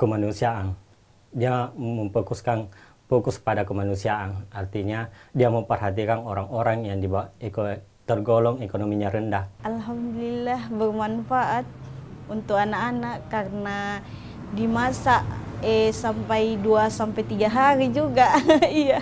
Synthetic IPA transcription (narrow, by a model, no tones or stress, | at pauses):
kəmanusiaʔan | diaməmpokuskan | pokʊsəpadakəmanusiaʔanart̪iɲadiaməmpərɦat̪ikanoɾaŋoɾaŋjaŋdibawaekot̪ərɡolɔŋekonomiɲaɾəndahʔalɦamdulilahbərmanfaʔat̪̚unt̪ʊk̚anaʔanaʔkarna | dimasaʔɛsampajduasampajt̪iɡaɦaɾid͡ʒuɡaija